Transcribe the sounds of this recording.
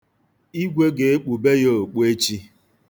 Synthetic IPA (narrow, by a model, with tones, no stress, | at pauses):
i˦ɡʷe˦ɡe˨e˦k͡pu˨be˦jo˦˨o˨k͡pe˦t͡ʃi˦